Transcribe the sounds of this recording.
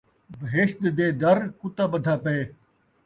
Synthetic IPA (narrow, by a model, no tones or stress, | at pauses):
bəɦeːʃt̪d̪eːd̪ɐɾkʊt̪aːbəd̪ʱaːpeeː